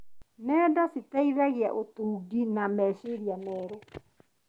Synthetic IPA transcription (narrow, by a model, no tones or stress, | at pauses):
nɛːdasitaiðaɣea̰ʔotuːɡinamɛʃeɾianɛːɾo